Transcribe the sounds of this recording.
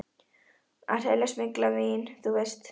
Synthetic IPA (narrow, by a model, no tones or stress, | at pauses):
a̰ɾɛlɛsmɪklavinθuvejst̪